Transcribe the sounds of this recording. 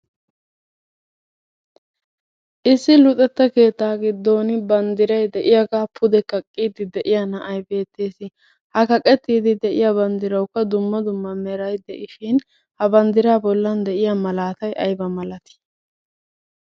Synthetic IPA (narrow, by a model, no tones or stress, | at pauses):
ʔɪsːɪlʊt̪ʼɛt̪ːɐke̞ːt̪ːaːɡɪd̪ːo̞ːnɪbɐnd̪ɪɾɐjd̪ɛʔɪjaɡaːpʰʊd̪ɛkɐkʼːiːd̪ɪd̪ɛʔɪjanɐʔɐjbe̞ːt̪ːe̞ːsɪ | hɐkɐkʼɛt̪ːiːd̪ɪd̪ɛʔɪjaːbɐnd̪ɪɾɐwkːɐd̪ʊmːɐd̪ʊmːɐmɛɾɐjd̪ɛʔɪʃɪn | hɐbɐnd̪ɪɾaːbɔlːɐnd̪ɛʔɪjamɐlaːt̪ɐjʔɐjbɐmɐlɐt̪ɪ̥